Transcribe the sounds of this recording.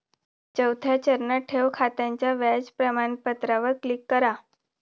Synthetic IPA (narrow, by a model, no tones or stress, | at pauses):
t͡ɕəwt̪ʰjat͡ɕəɾnəʈʰeʋkʰat̪aɲt͡ɕjaʋad͡ʑpɾəmanpət̪ɾaʋəɾklikːəɾa